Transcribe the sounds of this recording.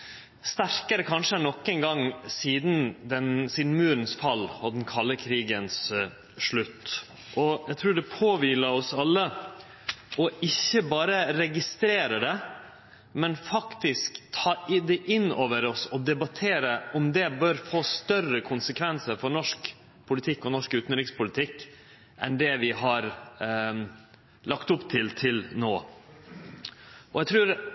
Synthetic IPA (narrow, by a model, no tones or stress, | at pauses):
st̪æɾkəɾəkʰɑnʂəænɔkːɛŋɡɑŋsiːd̪n̩d̪ɛnsiːd̪n̩mʉːɾnsfɑlːɔd̪n̩kʰɑlːəkʰɾiːɡəns | ʂɭʉt̪ː | ʔɔjæɪt̪ʰɾʉːɖɛpʰoːʋiːləɾɔsɑlːə | ɔɪçːəbɑːɾəɾɛɡɪst̪ɾeːɾəd̪ɛ | mɛnfɑkt̪ɪskt̪ʰɑːd̪ɛʔɪnoːʋəɾɔsɔd̪ɛbɑt̪ʰeːɾəʔɔmd̪ɛbœːɾfoːst̪œrəkʰʊnsəkʰʋɛnsəɾfɔɾɳɔʂk | pʰʊlɪt̪ʰɪkːɔnɔʂkʉːt̪nɾɪkspʊlɪt̪ʰɪkː | ʔɛ̰nd̪ɛʋɪhɑɾ | lɑkt̪ʊpːt̪ʰɪlt̪ʰɪlnoː | ʔɔjɛɪt̪ʰɾʉːɾ